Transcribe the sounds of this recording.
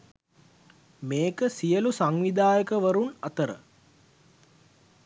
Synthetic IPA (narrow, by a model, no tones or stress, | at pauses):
meːkəsijəlusaŋʋid̪aːjəkəʋəɾunɐt̪əɾə̰